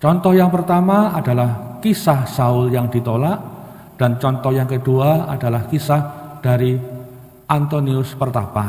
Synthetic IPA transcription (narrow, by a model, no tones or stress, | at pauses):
t͡ʃɔnt̪ɔhjaŋpərt̪amaad̥alahkisahsaʊljaŋdit̪olaʔ | d̥ant͡ʃɔnt̪ɔhjaŋkəduaadalahkisahd̥aɾi | ʔant̪oniʊspərt̪aba